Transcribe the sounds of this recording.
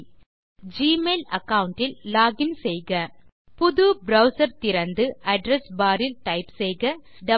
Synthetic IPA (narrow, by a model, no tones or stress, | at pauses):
d͡ʒiːmeːlɐkɐʋʊɳʈɪlːaːɡɪnsɛjɣɐ | pʊðubɾɐʊsɐɾt̪ɪɾɐnd̪ɯʔɐɖɾɛsbaːɾɪltɐɪpsɛjɣɐ | ɖɐ